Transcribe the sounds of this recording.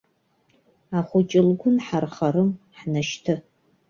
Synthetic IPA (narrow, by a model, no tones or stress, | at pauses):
aχʷʊt͡ʃʼɪlɡʷʊnħarχaɾɨm | ħnaʃtʰɨ